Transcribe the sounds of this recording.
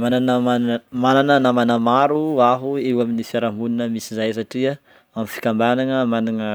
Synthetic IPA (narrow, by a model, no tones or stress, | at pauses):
mananəamananənamanamaɾuaɦuewaminifiaɾambuninəmisizajs̬aʈ͡ʂia | amifi̥kambananəmananə